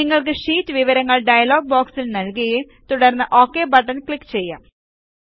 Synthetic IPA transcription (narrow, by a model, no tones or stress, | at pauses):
iŋːɐɭk̬ɨʂiːtːɨʋiʋɐɾɐŋːɐɭɖɐjɐlo̞ːɡ̚boːksilnɐlkɐɣjum | t̪uɽɐrnːɨʔo̞ːkːeːbɐʈːɐnkɭikːt͡ɕe̞jːa̰ːm